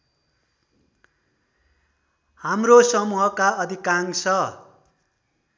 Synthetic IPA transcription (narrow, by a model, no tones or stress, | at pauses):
hamrosʌmuɦʌkaʌd̪ʱikaŋsʰʌ